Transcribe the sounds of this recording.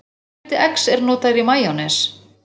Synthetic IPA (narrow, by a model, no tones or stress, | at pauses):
t̪ɪʔɛksɛɾnɔːt̪aðvimaːjanɛs